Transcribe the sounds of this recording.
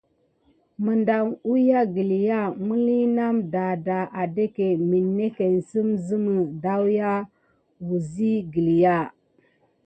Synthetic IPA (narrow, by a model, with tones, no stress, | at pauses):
mə˨nda˨ŋu˦ja˦ɡi˨li˨ja˦˨mu˦li˦na˦mda˨da˨ʔa˨de˦ke˨mi˨nːe˦ke˨n˨si˦mzi˦mə˨da˦wja˦ | wu˨zi˦ɡi˨li˨ja˦˨